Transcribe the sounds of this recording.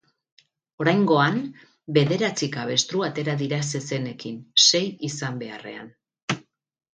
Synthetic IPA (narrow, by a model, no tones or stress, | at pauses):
o̞ɾajŋɡo̞an | be̞ðe̞ɾat͡sikaβ̞e̞st̪ɾuat̪e̞ɾaðiɾase̞se̞ne̞kinse̞jisambe̞a̰re̞̰a̰n